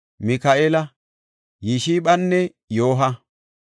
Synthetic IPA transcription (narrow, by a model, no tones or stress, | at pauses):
mɪkaʔeːlɐ | jiʃiːɓɐnːɛ | jo̞ːɦɐ